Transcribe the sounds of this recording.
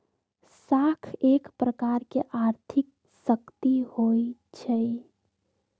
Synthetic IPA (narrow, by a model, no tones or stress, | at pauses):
sakʰekpɾəkaɾkeʔaɾt̪ʰik̚ | səkt̪ihoit͡ʃʰɛ